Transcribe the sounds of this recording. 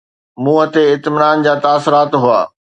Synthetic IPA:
mũːɐt̪eɪt̪mɪnaːnd͡ʑaːt̪aːsʊɾaːt̪ɦʊaː

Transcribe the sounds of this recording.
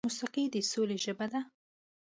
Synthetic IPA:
mʊsaqid̪əsoleʒəbad̪a

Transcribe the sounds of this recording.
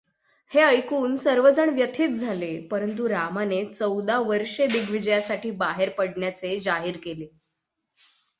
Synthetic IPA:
heəjkuːnsəɾʋəd͡zəɳʋjət̪ʰiːt̪̚d͡zʱalepəɾənt̪̬uɾamanet͡səwd̪aʋəɾʂed̪iɡʋid͡ʑəjasaʈʰiːbaɦeɾpəɽɳjat͡sed͡ʑaɦiːɾkele

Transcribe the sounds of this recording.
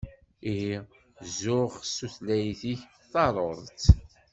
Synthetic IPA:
ihi | zʊχəsuθlæjθiç | θɑɾˤoðˤt͡s

